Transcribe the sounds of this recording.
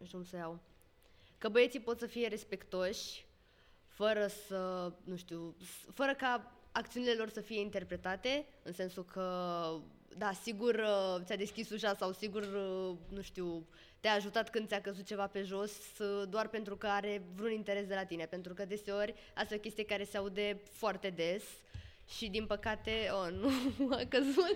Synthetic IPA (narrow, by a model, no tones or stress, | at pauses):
ʃkumsəjaw | kəbəjesipo̞t̪səfije̞ɾe̞spe̞kt̪o̞ʃʲ | fəɾəsənuʃt̪iwfəɾəkaakt̪siunile̞lo̞rsəfije̞int̪e̞rpɾe̞t̪at̪e̞ | ɨnse̞nsukʰə | d̪asiɡurt̪ʲad̪e̞skʲisuʃasawsiɡurnuʃt̪iw | t̪eaːʒut̪at̪kɨnd̪ʲakəzut̪̚t͡ʃe̞vape̞ʒo̞s | d̪oarpe̞nt̪ɾukəaɾe̞vɾunint̪e̞ɾe̞sd̪e̞lat̪ine̞pe̞nt̪ɾukəd̪e̞se̞o̞ɾʲ | ast̪ajo̞kʲe̞st̪ijekaɾe̞seaud̪e̞foart̪e̞d̪e̞s | ʃid̪inpəkat̪e̞onuakəzut̪